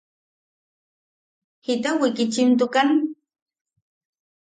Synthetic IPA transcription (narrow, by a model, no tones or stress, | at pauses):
hɪt̪awɪkɪt͡ʃɪmt̪̬ʊkan